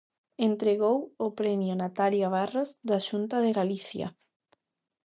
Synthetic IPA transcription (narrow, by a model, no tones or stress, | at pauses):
ent̪ɾeɣowʊpɾɛmjʊnat̪aljaβ̞arazðaʃunt̪aðeɣaliθja̰